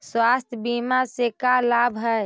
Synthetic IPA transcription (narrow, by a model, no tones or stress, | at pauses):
swast̪ʰjbimasekalabʱɦəj